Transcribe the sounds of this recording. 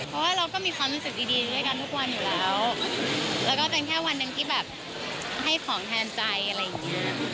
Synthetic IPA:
pʰpʰɔ˦˥waː˥˩ɾa˧wkɔː˥˩miː˧kʰaː˧lu˧˩sɯ˨˩t̚diː˧diː˧dɾu˥˩əjka˧nt̪ʰu˦˥˩k̚wa˧njuː˨˩lɛː˦˥w | lɛː˦˥wkɔː˥˩t̪e˧nkʰɛː˥˩wa˧nːa˧ŋkʰi˦˥˩bɛː˨˩p̚ | ha˥˩jkʰɔː˩˦ŋtʰɛː˧nt͡ɕa˧jʔa˧ɾa˧jːa˨˩ŋni˦˥ɐ

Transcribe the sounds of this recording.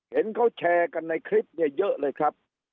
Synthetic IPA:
he˨˦nka˦˧˩wt͡ɕʰɛː˧˩ka˧nːa˧jkʰli˦˥p̚ɲi˧˩əjə˦˥ʔləː˧˩jkʰaː˦˥p̚

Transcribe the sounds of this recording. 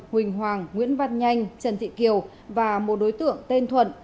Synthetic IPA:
hwï˨˩ŋ̟ɦwaː˨˩ŋːwḭ˧˥ənva˧˩t̚ɲa˧jŋ̟t͡ɕə˨˩nt̪ʰḭ˧˨ki˨˩əw | vaː˨˩mo˨˩t̚ɗo˨˦jt̪ɨ̰˧˨əŋt̪e˧nt̪ʰwə̰˧˨n

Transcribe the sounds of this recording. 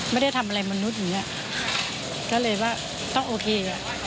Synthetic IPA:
ma˥˩˨jda˥˩jt̪ʰa˧mʔa˧a˧jma˧nu˦˥t̪̚i˨ŋi˦˥a˨ʔ | kɔː˥˩lɤː˧jwaː˥˩ | t̪ɔ˥˩ŋʔoː˧kʰeː˧a˨˩

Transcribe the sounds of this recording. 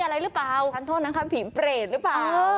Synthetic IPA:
ʔa˧ɾa˧jɾɯ˦˥plaː˨˩wʰa˧˩nt̪ʰoː˥˩t̪̚na˦˥kʰa˦˥pʰiː˩˦pɾeː˨˩t̪̚ɾɯ˦˥plaː˨˩˧

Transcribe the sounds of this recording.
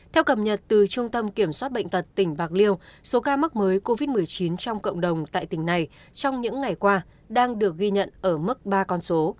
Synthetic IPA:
t̪ʰɛ˧wkə˨˩p̚ɲə˨˩t̚t̪ɨ˨˩t͡ɕʊ˧ŋ͡mt̪ə˧mki˧˩əmswaː˦˥t̚ɓə̰˧˨ŋ̟t̪ə˨˩t̚t̪ï˩ŋ̟ɓaː˨˩k̚li˧əwso˨˦kaː˧ma˦˥k̚məː˨˦jko˧vi˦˥t̚mɨ˨˩əjt͡ɕi˨˦nt͡ɕɔ˧wŋ͡mkə̰˧˨wŋ͡mɗə˨˩wŋ͡mt̪a̰ː˧˨jt̪ï˧˩ŋ̟na˨˩j | t͡ɕɔ˧wŋ͡mɲɨ̰˧˥ŋːa˨˩jkwaː˧ | ɗaː˧ŋɗɨ˨˩ək̚ɣi˧ɲə̰˧˨nʔəː˧˩mɨ˦˥k̚ɓaː˧kɔ˧nso˨˦

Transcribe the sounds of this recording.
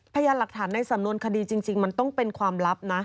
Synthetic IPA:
pʰa˧jaː˧la˨˩k̚t̪ʰaː˩˦nːa˧jsa˨˩˦mnu˧ənkʰa˧diː˧t͡ɕi˧ŋt͡ɕi˧ŋma˧nt̪ɔ˥˩ŋpe˧nkʰwaː˧mɾa˦˥p̚na˦˥

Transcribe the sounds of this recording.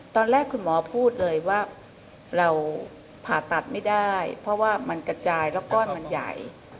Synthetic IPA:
t̪ɔː˧nɾɛː˥˩kʰːu˧nmɔː˨˦pʰuː˥˩t̪̚lɤː˧jwaː˥˩ | ɾa˧w | pʰaː˨˩t̪ːa˨˩t̪̚ma˥˩jdaː˥˩jpʰɔ˦˥waː˥˩ma˧nkɾa˧t͡ɕaː˧jlɛː˦˥wkɔː˥˩nma˧nja̰˨˩j

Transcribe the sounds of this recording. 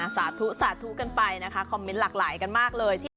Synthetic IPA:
saː˩˦t̪ʰu˦˥saː˩˦t̪ʰu˦˥ka˧npa˧jna˦˥kʰa˦˥kʰɔ˧mːe˦˥nlaː˨˩k̚laː˩˦jka˧nmaː˥˩k̚lɤː˧jt̪ʰiː˥˩

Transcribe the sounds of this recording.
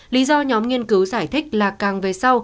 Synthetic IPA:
li˨˦zɔ˧ɲɔ˨˦mŋi˧ənkɨ˨˦wzaː˧˩jt̪ʰï˦˥k̟̚laː˨˩kaː˨˩ŋve˨˩sa˧w

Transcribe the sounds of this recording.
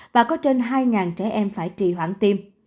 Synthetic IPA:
vaː˨˩kɔ˨˦t͡ɕe˧nɦaː˧jŋaː˨˩nt͡ɕɛ˧˩ʔɛ˧mfaː˧˩jt͡ɕḭ˨˩ɦwaː˧˩ŋt̪i˧m

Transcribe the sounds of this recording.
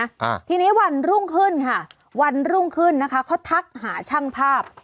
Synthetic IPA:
t̪ʰiː˧niː˦˥˩wa˧nɾu˥˩ŋkʰɯ˥˩nkʰa˥˩ | wa˧nɾuː˥˩ŋkʰɯ˥˩nːa˦˥kʰa˦˥kʰɔ˦˥˩t̪ʰa˦˥k̚haː˩˦t͡ɕʰa˥˩ŋpʰaː˥˩p̚

